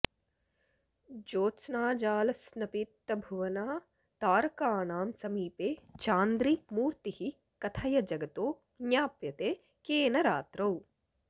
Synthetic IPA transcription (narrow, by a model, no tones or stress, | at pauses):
d͡ʒoːt͡ʃnaːd͡ʒaːlɐsnɐpiːt̪ːɐbʱuʋɐnaː | t̪aːɾɐkaːnaːmsɐmiːpeːt͡ʃaːnd̪ɾimuːɾt̪ihi | kɐt̪ʰajɐd͡ʒɐɡɐt̪oː | njaːpjɐt̪eː | keːnɐɾaːt̪ɾɐw